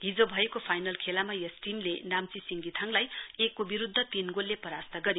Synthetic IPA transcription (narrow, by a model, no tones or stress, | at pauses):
id͡zobʱʌekopʰajnʌlkʰelamajʌsʈimlenamt͡sisiŋɡit̪ʰaŋlajekːobiɾud̪ʱːʌt̪inɡolːepʌɾast̪ʌɡʌɾe